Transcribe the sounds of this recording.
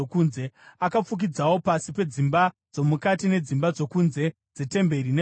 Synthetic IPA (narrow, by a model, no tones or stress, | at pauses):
kuːnzeakap͡fuk̬id͡zawo̞pasipe̞d͡zimba | d͡zo̞mukatine̞d͡zimbad͡zo̞kunze̞ | d͡ze̞te̞mbe̞rine